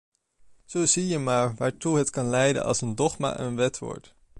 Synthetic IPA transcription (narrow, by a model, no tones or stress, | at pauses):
z̥owzijəmaːɹʋaːɹtuɦətkɑnlɛjdə̰nɑ̰lˠsəndɔχma̰ːʔənʋɛtʋɔ̰ɹt